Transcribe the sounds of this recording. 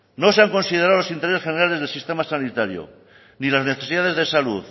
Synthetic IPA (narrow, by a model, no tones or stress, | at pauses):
no̞seaŋko̞nsið̞eɾaolosint̪eessxene̞ɾale̞zð̞elsist̪e̞masanit̪aɾjo̰ | nilazne̞θe̞siðaðe̞zðesaluð